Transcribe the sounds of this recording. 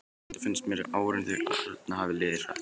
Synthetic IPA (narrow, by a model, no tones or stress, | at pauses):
nt̪ḁfɪnst̪mɛːɾɪaːwɾɪnθɛɾa̰œt̪nahavɪleːðɪɾ̥θa̰